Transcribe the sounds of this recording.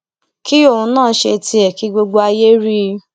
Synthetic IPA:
ki˦o˦˨ũ˧˦nãː˦˨˦ʃe˧tʰi˧ɛ˨ki˧ɡ͡bo˧ɡ͡bo˧a˧je˦ɾi˦˧

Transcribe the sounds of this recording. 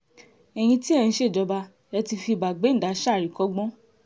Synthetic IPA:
ɛ˨j̃ĩ˧ti˦ɛ˧ñ̩˧˦ʃe˦˨d͡ʒɔ˨˧ba˧ | ɛ˧ti˧fi˧˨ba˨ɡ͡be˨˦n̩˦˨da˨˦ʃa˦˨ɾi˨kɔ˦ɡ͡bɔ̃˦

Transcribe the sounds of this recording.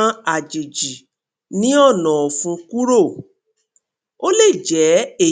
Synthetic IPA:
ã˦a˨d͡ʒe˨d͡ʒi˨ | nĩ˨˦ɔ˦˨nã˨fũ˧ku˦ɾo˦˨ | o˦le˦˨d͡ʒɛ˨˦e˦˨

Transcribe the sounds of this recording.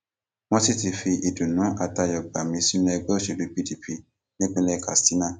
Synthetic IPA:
wɔ̃˦ti˦ti˧fi˧ʔi˨du˨nũ˨˦ʔa˦˨ta˧jɔ˨ɡ͡ba˨mĩ˧˦si˦n˦ɛ˧ɡ͡bɛ˦o˦ʃi˨du˨˦pi˦di˨˦pʰi˧ | nĩ˦k͡pe˦lɛ˦˧ka̰˨sti˨˦nã˦˨

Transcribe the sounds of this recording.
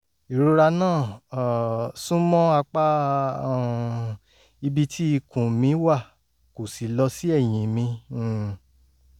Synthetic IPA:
i˨ɾu˧˦ɾa˧nãː˦˨ | sũ˦mɔ̃˦a˧k͡pã˦˨ | i˧bi˧tʰi˦i˧kũ˨mĩ˧˦wa˦˨ | ko˨si˨lɔ˧si˦ɛ˦˨j̃ĩ˨mĩ˧˦˨

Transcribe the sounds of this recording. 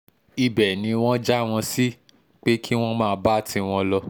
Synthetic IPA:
i˧bɛ˨nĩ˨˧w̃ɔ̃˦d͡ʒa˦˨w̃ɔ̃˧si˦ | k͡pe˦kʰi˦w̃ɔ̃˦mãː˦˧˨ba˦˨tĩ˧w̃ɔ̃˧lɔ˧

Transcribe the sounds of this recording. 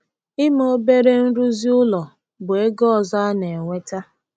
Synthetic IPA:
ɪ˦m˦o˦be˦ɾe˦n̩˦ɾu˦zi˦ʊ˦lɔ˨ | bʊ˨e˦ɡɔ˦ɔ˨za˦a˦ne˨ŋʷe˦ta˦

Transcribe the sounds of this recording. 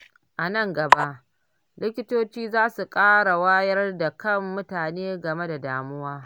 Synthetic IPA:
ʔa˨nɐ˦˨ŋɡɐ˨ba˦ʔ | lɪ˦kʲɪ˦toː˦t͡ʃiː˦zaː˦su˨kʼaː˦ɽa˨waː˦jɐ˦rda˨kɐ˦˨mːʊ˦taː˨neː˦ɡɐ˨me˦da˨daː˨mʊ˦waː˦

